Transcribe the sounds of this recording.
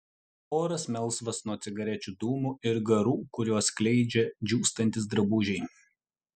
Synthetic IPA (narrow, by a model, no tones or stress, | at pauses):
oːɾɐsmʲɛlˠˑsʋɐsnuɔt̪sʲɪɡɐɾʲɛt͡ʃʲud̪uːmuɪɾɡɐɾuːkʊɾʲuɔsklʲɛɪd͡ʒʲɛd͡ʒʲuːst̪ɐnʲt̪ʲɪsd̪ɾɐbuːʒʲɛɪ